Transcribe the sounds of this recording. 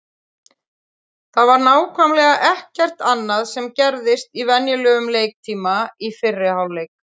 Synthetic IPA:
θaðvaɾnaːwkʰvœmlɛɣaʔɛhcɛr̥t̪anːaðsɛmcɛɾðɪst̪ivɛnjʏlœːɣʏmleːjk̚t̪ʰiːmaifɪrːɪhawlejk̚

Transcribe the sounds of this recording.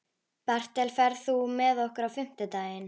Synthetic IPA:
par̥t̪ɛlfɛɾðθumɛðɔhkʏɾawfɪm̥t̪ɪt̪aːjɪn

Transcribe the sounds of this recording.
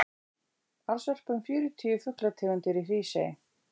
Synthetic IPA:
aðsvœr̥pʏnfjʏːɾʏt̪ʰiːjʏfʏhklat̪ʰɪːɣʏnt̪ɪɾifɾiːsḛj

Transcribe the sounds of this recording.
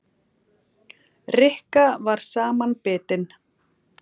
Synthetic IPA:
rɪhkavaɾ̥saːmanpɪːt̪ɪn

